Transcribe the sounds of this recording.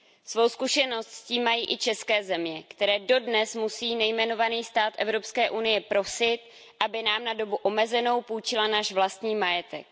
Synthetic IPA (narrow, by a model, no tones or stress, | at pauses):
svo̞wskuʃɛno̞st̪sciːmːajiːʔɪt͡ʃɛskɛːzɛmɲɛkt̪ɛɾɛːdo̞dnɛsmusiːnɛjmɛno̞vaniːst̪aːt̪ʔɛvɾo̞pskɛːʔunɪjɛpɾo̞sɪt̪ | ʔabɪnaːmnado̞buʔo̞mɛzɛno̞wpuːt͡ʃɪlanaːʃvlast̪ɲiːmajɛt̪ɛk̚